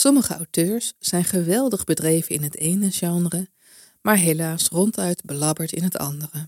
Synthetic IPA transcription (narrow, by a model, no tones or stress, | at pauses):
sɔməχəɑwtøːɹsːɛjnχəʋɛlˠdəχbədrejvənɪnɦətejnəʒɑŋərə | maːɹɦejlaːsrɔntœɥdbəlɑbəɹtɪ̰nɦətʰɑ̰ndərə